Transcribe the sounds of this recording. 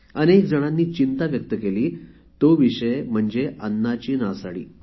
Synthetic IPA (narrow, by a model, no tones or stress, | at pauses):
ənekd͡zəɽ̃anːiːt͡ɕint̪aʋjək̚t̪əkeliː | t̪oʋiɕəjm̤əɳd͡ʑeənːat͡ɕiːnasaɽḭː